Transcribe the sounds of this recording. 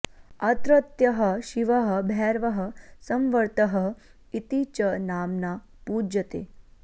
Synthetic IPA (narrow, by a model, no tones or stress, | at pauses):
ɐt̪ɾɐt̪jɐɦəʃiʋəɦə̆bʱɛːɾʋəɦə̆sɐmʋəɾt̪əɦə | it̪it͡ʃənaːmna | pud͡ʒət̪ḛː